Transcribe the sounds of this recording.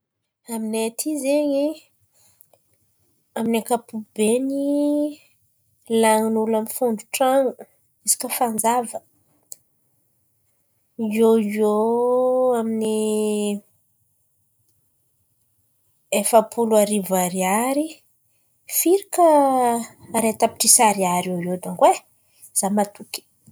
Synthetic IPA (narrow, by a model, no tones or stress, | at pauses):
aminet̪ʰizeɲi | aminakapubeni | laŋnulamifuɳɖ͡ʐuʈ͡ʂaŋu | isi̥kəfand͡zavə | ioo | amini | efapʰuluaɾivaɾiaɾi | fiɾikəː | ɾet̪api̥ʈ͡ʂisaɾiaɾiojod̪aŋɡwe | z̥amat̪uki̥